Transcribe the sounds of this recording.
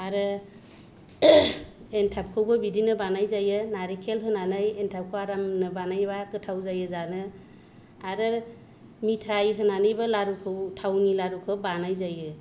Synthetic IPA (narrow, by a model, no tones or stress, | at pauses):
aɾɯ | entʰap̚kʰɯwbɯbidinɯbanajzajɯnaɾikʰelɦɯnanajentʰap̚kʰɯwaɾamnɯbanajbakɯtʰawzajɯzanɯ | aɾɯ | mitʰajɦɯnanɯjbɯlaɾukʰɯwtʰawnilaɾukʰɯbanajzajɯ